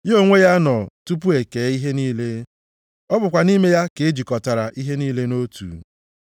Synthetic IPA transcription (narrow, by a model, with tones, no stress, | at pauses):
jo˦ŋʷe˦ja˦nɔ˨tu˦p̬u˦e˨ke˨˦i˦ɦe˦niː˦le˦ | ɔ˦bʊ˨kʷa˨ni˦me˦ja˦ke˨e˦d͡ʒi˨kɔ˨ta˨ɾa˨ʔi˦ɦe˦niː˦le˦no˦tṵ˨